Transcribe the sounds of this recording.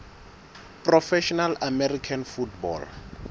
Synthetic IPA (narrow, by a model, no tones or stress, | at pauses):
pʼrɔfɛʃɔnalamɛrikʰanfutbɔ̰l